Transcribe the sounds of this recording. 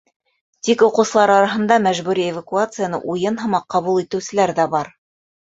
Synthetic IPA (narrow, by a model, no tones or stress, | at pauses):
t̪ikŏqɤ̆wsɤ̆lˠɑɾɑɾɑɦɤ̆nd̪ɑmæʒβʉɾievakuat̪sɨjanɤ̰ʔujɤnɦɤ̆mɑqːɑβulˠit̪ɘ̆wsɘ̆læɾðæbɑɾ